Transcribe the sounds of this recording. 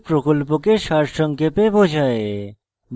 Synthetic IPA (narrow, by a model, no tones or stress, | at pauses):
pɾɔkɔlpokeʃaɾʃə̃ŋkepebʱod͡ʒʱae | m